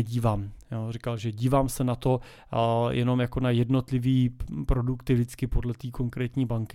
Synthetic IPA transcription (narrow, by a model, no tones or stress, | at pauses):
ɟiːvaːmjoːrɪkalʒɛɟiːvaːmsɛnat̪o̞ | jʔɛno̞mjako̞najɛdno̞t̪lɪviːpɾo̞dukt̪ɪvdɪt͡skɪpo̞dlɛt̪iːko̞ŋkɾɛːt̪ɲiːbaŋkɪ